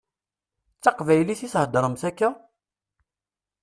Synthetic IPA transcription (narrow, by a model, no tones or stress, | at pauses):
t͡sːɑqvæjliθishəd̪əɾˤəmsækːa